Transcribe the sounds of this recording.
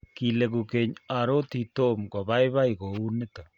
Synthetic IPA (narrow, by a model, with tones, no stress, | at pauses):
ki˨le˨ɣu˨ke˨ɲa˨ɾo˦t̪i˨to˦mkwa˨βa˦i˦βa˦i˨ɣo˨u˦ne˦ta˨